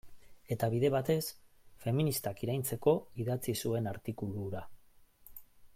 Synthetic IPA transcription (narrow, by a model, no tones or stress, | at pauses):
e̞t̪aβiðe̞βat̪e̞s | fe̞minist̪akiɾajnt͡se̞ko̞iðat͡sisue̞naɾt̪ikuluɾa